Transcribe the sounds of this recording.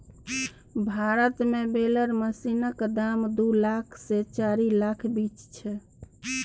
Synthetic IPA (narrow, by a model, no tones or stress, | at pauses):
bʱaɾət̪mebeləɾməsinəkd̪amd̪ulakʰset͡ʃaɾilakʰbit͡ʃt͡ʃʰɛ